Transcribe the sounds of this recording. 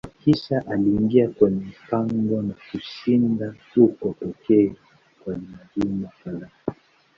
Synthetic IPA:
kiʃaʔaliːŋɡiakwɛɲɛm̩paŋɡɔnakuʃinda | ukɔtɔkɛa | kwalimalimafalai

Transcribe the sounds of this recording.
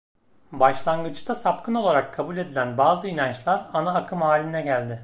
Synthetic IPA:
baʃlˠaŋɡɯt͡ʃt̪ʰasap̚kɯno̞lˠaɾakʰːabulʲe̞d̪ilʲænbaːzɯinant͡ʃlˠaɾanaakʰɯmhaːlʲinɛɟælʲd̪ɪ

